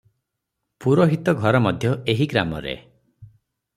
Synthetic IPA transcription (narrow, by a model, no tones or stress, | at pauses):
puɾɔɦit̪ɔɡʱɔɾɔmɔd̪ʱjɔeɦiɡɾamɔ̰ɾḛ